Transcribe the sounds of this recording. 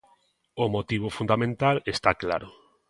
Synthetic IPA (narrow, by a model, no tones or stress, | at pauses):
omot̪iβ̞ofund̪amẽnt̪alest̪akla̰ɾo